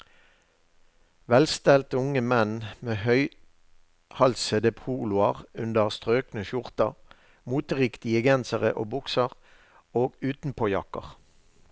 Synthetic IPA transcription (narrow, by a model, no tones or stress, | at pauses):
ʋɛlst̪ɛlt̪əʊŋəmɛnmeːhœʏ | hɑlsəd̪əpʰuːlʊɑʁʉnd̪əʁst̪ʁøːknəʃʊʁt̪əʁ | muːt̪əʁɪkt̪ɪəɡɛnsəʁəʔo̰ːbʊksəʁ | oːɡʉːt̪n̩pʰoːjɑkə̰ʁ